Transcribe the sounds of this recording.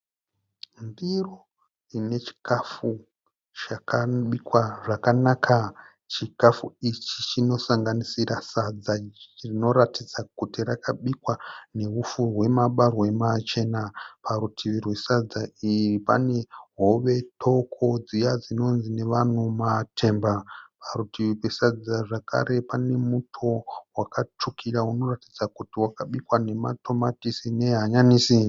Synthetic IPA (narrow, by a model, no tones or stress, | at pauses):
ndiro | ine̞t͡ʃi̥kafu | t͡ʃakaɓikwaʐakanakʰa | t͡ʃikafuit͡ʃit͡ʃino̞saŋɡanisiɾasad͡zarino̞ɾatid͡zakutirakaɓikwane̞ɦufurwe̞maɓarwe̞mat͡ʃe̞napʰarutʰiʋirwesad͡zairipa̰ne̞ɦo̞ʋe̞tʰo̞kʰo̞d͡zijad͡zino̞nzine̞ʋan̤umatʰe̞mbaparutʰiʋirwesad͡zaʐakʰa̰ɾe̞pane̞mutʰo̞wakat͡ʂukʰiɾauno̞ratid͡zakutiwakaɓikwane̞ma̰tʰo̞matisine̞ɦaɲaniːsi